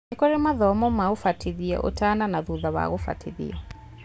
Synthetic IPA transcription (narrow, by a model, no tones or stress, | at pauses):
kɔɾemaðɔmɔmaɣofatiðia̰ʔo̰tananaðuðaβa̰ɣofa̰tʰiðḭa